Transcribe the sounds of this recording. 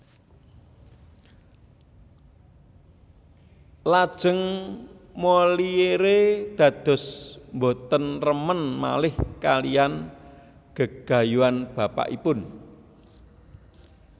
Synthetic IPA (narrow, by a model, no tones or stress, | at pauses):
lad̥ʒ̥ə̤ŋ | mɔlieɾed̪̥ä̤d̪̥ɔ̤smbot̪ənrəmənma̰lɪhkalijan | ɡ̥ə̤ɡ̥ä̤juanb̥a̤pa̰ʔḭpʊn